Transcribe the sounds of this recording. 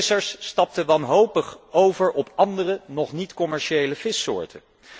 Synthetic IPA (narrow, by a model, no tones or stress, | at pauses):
səɹsːtɑp̚təʋɑnɦowpəχowvəɹʔɔpɑndərənɔχnitkɔmɛɹʃejləv̥ɪsʊ̰ːɹtə